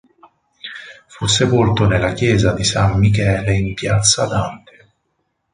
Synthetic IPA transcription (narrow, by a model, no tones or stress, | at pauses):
fusːepolt̪onelːakjɛːzad̪isamːik̬ɛːleimpjat̪sːad̪ant̪e̥